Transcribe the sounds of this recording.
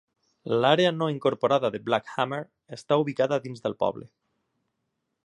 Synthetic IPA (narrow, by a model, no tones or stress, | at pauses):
laɾeanoiŋkoɾpoɾaðaðeblakxameɾ | est̪auβikaðaðinzðelpɔ̰βle